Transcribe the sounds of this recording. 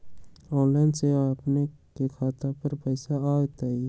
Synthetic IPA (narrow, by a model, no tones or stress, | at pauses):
ɔːlə̃nɖseaːpnekekʰaːt̪apəɾpəːɪsaaːt̪aːi